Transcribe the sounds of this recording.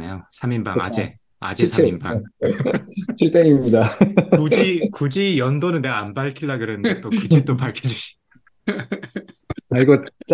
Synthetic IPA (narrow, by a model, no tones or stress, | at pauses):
nḛjosʰaminba̰ŋa̰d͡ʑe | a̰d͡ʑesʰaimba̰ | t͡ɕʰiɭt͈eɲimɲidakud͡ʑikud͡ʑijʌndonɯnːeaːnbaɭkʰiɭːaɡɯɾenɯndet͈okit͡ɕʰit͈opaɭkʰed͡ʑuɕʰi̥ | aɭɡot͡ɕ͈